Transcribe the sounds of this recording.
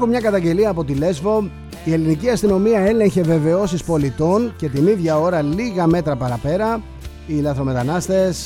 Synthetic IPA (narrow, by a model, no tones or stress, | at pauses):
xumɲɐkɐt̪ɐɲɟe̞liɐːpo̞t̪ile̞zvo̞ | ie̞liniciɐst̪ino̞miɐe̞le̞ɲçe̞ve̞ve̞o̞sispo̞lit̪o̞nce̞t̪iniðʝɐo̞ɾɐliɣɐme̞t̪ɾɐpɐɾɐpe̞ɾɐ | ilɐθɾo̞me̞t̪ɐnɐst̪e̞s